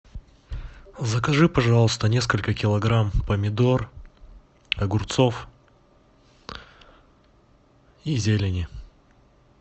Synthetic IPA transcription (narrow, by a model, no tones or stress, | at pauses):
zəkɐʐɨpɐʐalˠəst̪ənʲe̞s̬kəlʲkəkʲɪlˠɐɡɾampəmʲɪd̪o̞r | ɐɡʊrt̪sof | izʲelʲɪnʲɪ